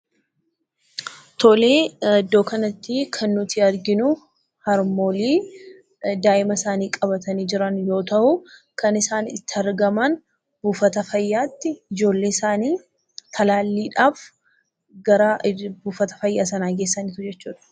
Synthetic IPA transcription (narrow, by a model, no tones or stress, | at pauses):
t̪ɔleːd̪ːo̞ːkɐnɐt̪ːikʰɐnːʊt̪iɐɾɡɪnʊ | hɐɾmoːliː | d̪aːʔɪmɐsaːniːkʼɐβɐt̪ɐniːd͡ʒɪɾɐnjo̞ːt̪ɐhʊ | kɐnɪsaːnɪ̰t̪ːɪɐɾɡɐmɐn | b̥uːfɐt̪ɐfɐjːaːt̪ːɪɪd͡ʒo̞ːlːe̞ːɪsaːniː | t̪ʰɐlaːlːiːᶑaːf | ɡɐɾabuːfɐt̪ɐ̥fɐjːaːs̬ɐnaːɡe̞ːsːɐnɪt̪ʊd͡ʒɛt͡ʃːuːᶑɐ̥